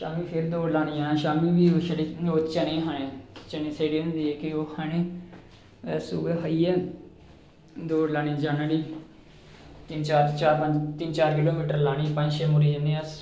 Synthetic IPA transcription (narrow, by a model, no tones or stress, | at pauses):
ʃaːmiːpʰɪɾd̪oːɽlaːɽijãːʃaːmiːʋiːoːʃəɽiːoːt͡ʃəneːɦaːɽẽːt͡ʃənẽːseːɽiːʊnd̪iːɛːkɪoːhaːɽ̃ẽː | ɛːsuːɡeːɦəiːɛː | d̪oːɽlaːñĩːd͡ʒaːnəɽiː | t̪ɪnt͡ʃaːɾt͡ʃaːɾpəɲd͡ʒt̪ɪnt͡ʃaːɾkɪloːmiːʈəɾlaːɽ̃iːpə̃nd͡ʒʃeːmʊɾiːəneːəs